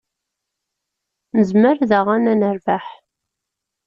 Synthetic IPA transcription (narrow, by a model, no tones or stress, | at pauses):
nəzməɾðəʁanænəɾvaħ